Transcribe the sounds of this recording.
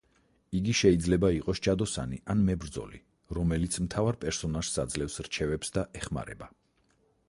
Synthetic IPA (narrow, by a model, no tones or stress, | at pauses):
iɡiʃɛid̪zlɛbaiqʼɔst͡ʃʰad̪ɔsa̰nianmɛbɾd̪zɔ̰lḭ | ɾɔmɛlit̪sʰmt̪ʰavaɾpʼɛɾsɔnaʒ̥sad̪zlɛfsɾt͡ʃʰɛvɛpsd̪aʔɛχma̰ɾɛ̰ba